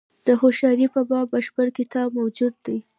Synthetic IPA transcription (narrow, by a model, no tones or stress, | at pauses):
d̪̥əhoʃɑɾipabɑbaʃbəɾkɪt̪ɑbmawd͡ʒud̪ːaj